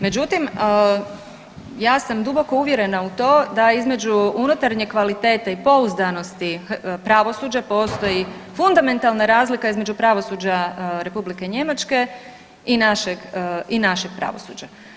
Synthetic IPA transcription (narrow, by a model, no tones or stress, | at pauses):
me̞d͡ʑut̪im | jaːsamd̪ubo̞ko̞uʋje̞ɾe̞naut̪o̞ːd̪aizme̞d͡ʑuunut̪aɾɲekʋalit̪e̞ːt̪aipo̞uzd̪ano̞st̪ipɾaʋo̞suːd͡ʑapo̞ːst̪o̞ji | fund̪ame̞nt̪alnaɾaːzlikaizme̞d͡ʒupɾaʋo̞suːd͡ʑaɾe̞publike̞ɲe̞mat͡ʃke̞ | inaʃeɡinaʃe̞ɡ̚pɾa̰ʋo̰suːd͡ʑa